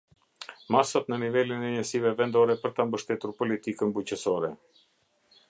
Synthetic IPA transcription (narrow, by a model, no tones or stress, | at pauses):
masat̪nənivɛlinɛɲəsivɛvɛnd̪ɔɾɛpəɾt̪ambəʃt̪ɛt̪uɾpɔlit̪ikəmbucəsɔɾɛ